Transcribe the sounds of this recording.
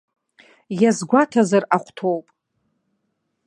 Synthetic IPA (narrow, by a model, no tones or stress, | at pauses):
jazɡʷatʰazaraχʷtʰowpʼ